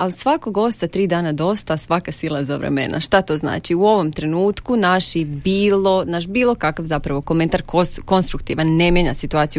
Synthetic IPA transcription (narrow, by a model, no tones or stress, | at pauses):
ausʋakoɡo̞st̪at̪ɾiːd̪aːnad̪o̞st̪asʋakasilˠazaʋɾḛmḛnʔa̰ʃt̪at̪o̞ːzna̰ːt͡ʃiuo̞ʋo̞mt̪ɾe̞nuːt̪kunaʃibiːlˠo̞naʃ̬biːlˠo̞kakafzapɾaʋo̞ko̞me̞nt̪aɾkoko̞nst̪ɾukt̪iːʋanːe̞mjeɲasit̪uaːt̪iju